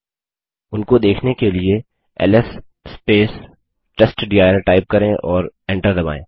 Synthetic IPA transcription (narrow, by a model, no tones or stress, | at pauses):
ʊnkod̪eːkʰnekelie | ɛ̰ːlɛsː | peːs | ʈɛsʈɖijaːjəɾʈaːɪp̚kɐɾẽʔɔːɾɛ̃ːɳʈəɾd̪ɐba̰ːẽː